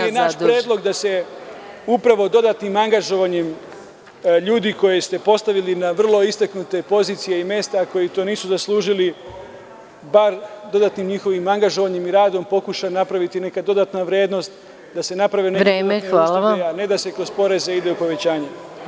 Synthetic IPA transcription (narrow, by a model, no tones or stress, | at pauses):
jenaːʃpɾjeːd̪lˠo̞ɡd̪ase̞ | upɾaʋo̞d̪o̞d̪at̪nimaŋɡaʒo̞ʋaɲem | ʎuːd̪iko̞jest̪e̞po̞st̪aʋilinaʋr̩lˠo̞ist̪aknut̪e̞po̞ziːt̪sije̞ime̞st̪ako̞jit̪o̞ːniːsuzaslˠuːʒili | baɾd̪o̞d̪at̪nimɲixo̞ʋimaŋɡaʒo̞ʋaɲemiɾaːd̪o̞mpo̞kuʃanapɾaʋit̪ine̞kad̪o̞d̪at̪naʋɾje̞ːd̪no̞st̪ | d̪ase̞napɾaʋineɾemeʋaːlaajane̞d̪ase̞kɾo̞zpo̞ɾe̞zeid̪e̞upo̞ʋe̞t͡ɕaːɲe